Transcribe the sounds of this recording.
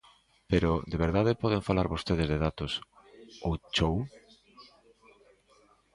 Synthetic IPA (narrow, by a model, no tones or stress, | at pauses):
peɾʊd̪eβeɾðaðɪpɔð̞eŋfalaɾβost̪eð̞ɪzðeðat̪os | owt͡ʃow